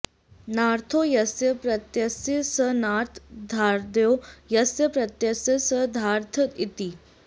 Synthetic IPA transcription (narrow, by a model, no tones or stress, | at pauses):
naːɾt̪ʰojɐsjəpɾɐt̪jɐsjəsənaːɾt̪ʰd̪ʱaːɾd̪jojɐsjəpɾɐt̪jɐsjəsəd̪ʱaːɾt̪ʰət̪it̪i